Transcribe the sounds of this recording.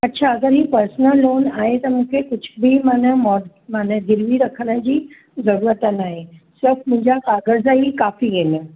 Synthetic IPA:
ɐtːɕʰaɐɡəɾɦiːpɐɾsnəlːoːnaːɦet̪ɐmũːkʰekʊd͡ʑʱʊbɪmaːnəmɔː | maːnəɡ̪ʱɪɾʋiɾɐkʰəɽ̃ə̆d͡ʑiː | zɐɾuːɾət̪ənaːɦesɪɾfmʊ̃ɦɪ̃ɲd͡ʑakaːɡəɾzaikaːfiɡenə

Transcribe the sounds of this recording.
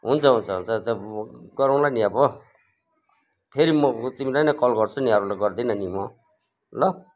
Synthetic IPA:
ɦunt͡sʰʌɦunt͡sʰʌɦṵnt͡sʰʌt̪ʌɡʌɾaw̃lajniʌbʌ | pʰeɾimʌt̪imilajnajkʌlɡʌrt͡sʰuniɦʌɾulajɡʌrd̪inʌnimʌ | lʌ

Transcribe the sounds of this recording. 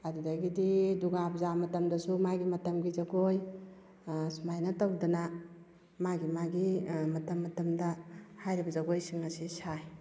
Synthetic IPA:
ɐdudaɡididuɡabzamɐtɐmdɐsumaɡimɐtɐmɡizɐɡoj | smajnɐtawdɐna | maɡimaɡimɐtɐmːɐtɐmdahajɾibɐzɐɡojsiŋɐsisaj

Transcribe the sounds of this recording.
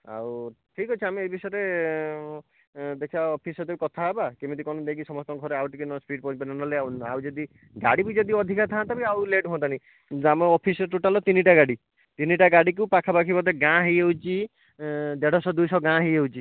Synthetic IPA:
a̰wʈʰikɦɔt͡ʃʰiameebisɔjɾe | d̪ekʰiaɔpʰisɔd̪ebikɔt̪ʰaebakemit̪ikɔnɔid̪eɡisɔmɔst̪ɔɡʱɔɾeawʈikinɔspiɖ̚pɔipenanɔleawa̰wd͡ʒɔd̪i | ɡaɽibid͡ʒɔd̪iɔd̪ʱikat̪ʰãt̪abiawleʈɦɔ̃t̪ani | amɔɔpʰisɔʈuʈalɔt̪iniʈaɡaɽi | t̪iniʈaɡaɽik̬upakʰabakʰibɔd̪eɡãɦejewt͡ʃi | d̪eɽɔsɔd̪ujsɔɡãɦejewt͡ʃʰi

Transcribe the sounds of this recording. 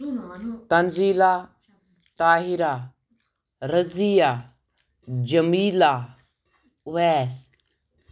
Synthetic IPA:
t̪ɐnziːlaː | t̪aːɦɪɾaː | ɾəzijaː | d͡ʒəmiːlaː | ʊʋɛː

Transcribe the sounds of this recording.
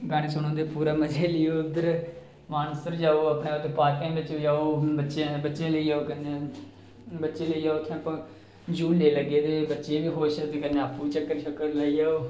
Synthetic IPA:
ɡaːɽ̃eːsoñõːd̪eːpuːɾaːməd͡ʒʱeːlɪjoːɪd̪əɾ | maːnəsəɾd͡ʒaːoːəpɳeːot̪ʰːeːpaːɾkẽːbət͡ʃoːd͡ʒaːoːbətːʃebətːʃẽːləiːaːoːkəne | bətːʃeːləiːaːot̪ʰːẽəpãː | d͡ʒuːnleːləɡeːd̪eːbətːʃeːʋiːɦoːʃəd̪eːkəneaːpːuːt͡ʃəkːəɾʃəkːəɾlaːid͡ʒaːoː

